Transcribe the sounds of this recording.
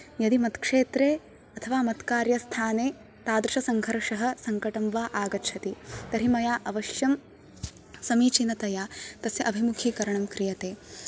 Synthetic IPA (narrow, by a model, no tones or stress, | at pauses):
jɐd̪imɐt̪kʂeːt̪ɾeː | ɐt̪ʰɐʋaːmɐt̪kaːɾjɐst̪ʰaːneː | t̪aːd̪ɾuʃɐsɐŋɡʱɐɾʂɐɦɐ̆sɐŋkɐʈɐmʋaːʔaːɡɐt͡ʃʰɐt̪it̪ɐɾimɐjaːʔɐʋɐʃjɐm | sɐmiːt͡ʃinɐt̪ɐjaːt̪ɐsjɐʔɐbʱimukʰikɐɾɐɳɐmkɾijɐt̪eː